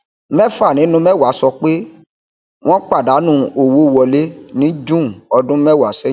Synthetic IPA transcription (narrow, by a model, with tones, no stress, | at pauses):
mɛ˦fa˦˨nĩ˨˦nũ˧˦mɛ˦˨wa˨˦sɔ˧k͡pe˦ | w̃ɔ̃˦k͡pa˦˨da˨˦nũ˦o˨wo˦˨wɔ˧le˦nĩ˦d͡ʒũ˦˨ɔ˧dũ˦mɛ˦˨wa˨˦sɛ˦